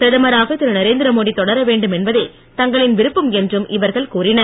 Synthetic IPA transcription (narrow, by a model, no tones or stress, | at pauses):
pɪɾɐðɐmɐɾaːɣɐt̪ːɪɾɐnɐɾeːnd̪ɪɾɐmoːɽit̪ːɔɽɐɾɐʋeːɳɖɯmɛnbɐðeː | t̪ɐŋɡɐɭɪnʋɪɾɯpːɯmɛndrɯmʔɪʋɐɾɣɐɭkuːrɪnɐɾ